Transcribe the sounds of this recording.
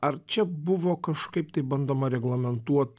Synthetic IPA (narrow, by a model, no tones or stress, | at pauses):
ɐɾt͡ʃʲɛbʊʋoːkɐʃkɐɪpt̪ɐɪbɐnd̪oːmɐɾʲɛɡlˠɐmʲɛnt̪uɔt̪